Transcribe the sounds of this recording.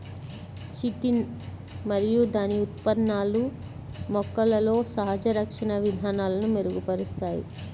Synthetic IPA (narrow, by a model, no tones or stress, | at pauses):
t͡ʃiʈin | mɐɾijud̪aːniut̪̚pɐd̪naːlu | mɔkːɐlɐlo̞ːsɐɦɐd͡ʒɐɾɐkʂɐɳɐʋid̪ʱaːnaːlɐnume̞ɾuɡupɐɾist̪aːjḭ